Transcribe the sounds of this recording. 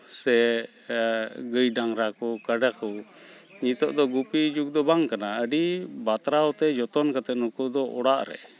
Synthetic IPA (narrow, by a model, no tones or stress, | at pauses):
sɛ | ɡəjɖaŋɾakɔkəɖəkɔ | ɲit̪ɔʔd̪ɔɡupid͡ʒuk̚d̪ɔbaŋkanaəɖibat̪ɾawt̪ɛd͡ʒɔt̪ɔnkat̪ɛnukud̪ɔʔɔɽaʔɾɛ̰